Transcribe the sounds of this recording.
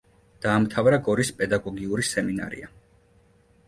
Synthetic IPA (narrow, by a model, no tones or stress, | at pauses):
d̪̥aːmt̪ʰavɾaɡɔɾispʼɛd̪aɡɔɡiuɾisɛmina̰ɾḭa